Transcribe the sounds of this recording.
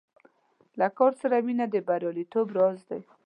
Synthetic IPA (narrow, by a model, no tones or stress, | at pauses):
lakɔɾsaɾawinad̪əbaɾjɑlit̪obɾɑzd̪aj